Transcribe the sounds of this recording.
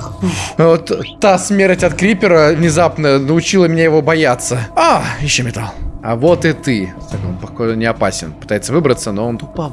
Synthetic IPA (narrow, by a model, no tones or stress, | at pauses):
vot̪t̪ːasmʲeɾəsʲtʲɐt̪kɾʲipʲɪɾəvnʲɪzapnənəʊt͡ɕilˠəmnʲejɪvo̞bɐjat̪sːəaɪɕːomʲɪt̪alˠɐ̰vo̞t̪ɨt̪ɨst̪ɐkompɐxonʲɪɐpasʲɪ̰npɨ̥t̪ajɪt̪sːəvɨbɾət̪sːəno̞onp